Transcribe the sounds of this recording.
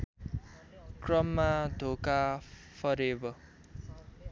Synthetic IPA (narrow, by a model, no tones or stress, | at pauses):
krʌmːad̪ʱokapʰʌɾebʌ